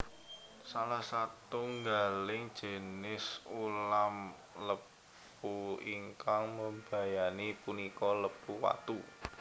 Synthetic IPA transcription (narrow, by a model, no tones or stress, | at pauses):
salahsat̪uŋɡalɪŋd̥ʒ̥ə̤nɪsulam | ləp | uiŋkaŋməmba̤janipunikɔləpuwa̰t̪u